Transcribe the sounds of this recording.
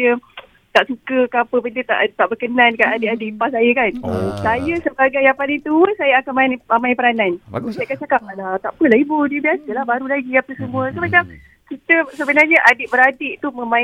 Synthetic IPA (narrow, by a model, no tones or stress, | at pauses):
ə | t̪aʔsukəkapəbəndət̪a̰ʔt̪aʔbərkənankanadɪʔadɪʔpasajəkansajəsəbaɡajapalit̪usajəakanmaamãĩpəɾananasakat͡ʃakaalat̪aʔpəlahibudiəbiasəlahbaɾulaɡiapəsəmũəsomat͡ʃam | kit̪əsəbənarɲəʔadɪʔbəɾadɪʔt̪umə̃mã